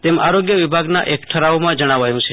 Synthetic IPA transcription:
t̪ema̰ɾoɡjəʋibʱaɡna̰ʔekʈʰəɾaomãd͡ʒəɽ̃aʋajũt͡ʃʰe

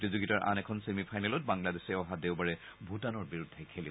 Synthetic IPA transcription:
tizuɡitaɹʔa̰nɛkʰɔnsemipʰajnɛlɔt̚baŋladesɛɔɦadeʊbaɹɛ | bʱutanɔɹbiɹudʱːɛkʰeli

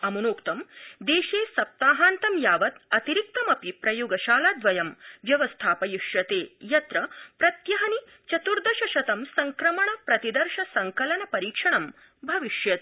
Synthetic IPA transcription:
ɐmɐnoːkt̪ɐmd̪eːʃeːsɐp̚t̪aːɦaːnt̪ɐmjaːʋɐt̪ɐt̪iɾik̚t̪ɐmɐpipɾɐjuːɡɐʃaːlaːd̪ʋɐjɐmʋjɐʋɐst̪ʰaːpɐjuʃjɐt̪eːjɐt̪ɾɐpɾɐt̪jɐɦɐni | t͡ʃɐt̪uɾd̪ʱɐʃɐʃɐt̪ɐmsɐŋkɾɐmɐɳɐpɾɐt̪id̪ɐɾʃɐsɐŋkɐlɐnɐpɐɾiːkʂɐɳɐm | bʱɐʋiʃjɐt̪

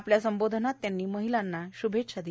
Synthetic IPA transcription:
pljasəmbod̪ʱnat̪ːjanːiːməɦilanːaɕubʱet̪ɕad̪i

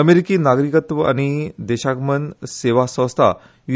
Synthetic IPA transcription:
əmeɾikiːnaɡɾikət̪ʋəa̰ɽ̃id̪eɕaɡmənseʋasə̃st̪ʰa̰ | ju

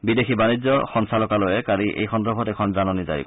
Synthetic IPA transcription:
bidexʰibanizɔxɔnsalɔkalojɛkaliʔḛjxɔndɔbʱɔtɛkʰɔnzanɔniza̰jḭk

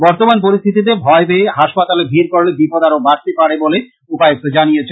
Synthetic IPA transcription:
bɔɾt̪omanp̬oɾist̪ʰit̪it̪̬ebʱɔebeeɦaʃpat̪alebʱiɾkoɾlebipod̪aɾobaɾt̪epaɾebole | upajok̚t̪od͡ʑanijet͡ɕʰe

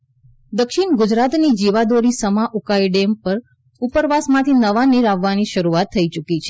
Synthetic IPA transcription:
d̪əkʃiɳɡʊd͡ʒɾat̪nid͡ʒiʋad̪oɾisəmaʔukaiɖempəɾ | upəɾʋasmãt̪ʰinəʋaniɾaʋːaniʃəɾuat̪ʰːəit͡ʃukit͡ʃʰe

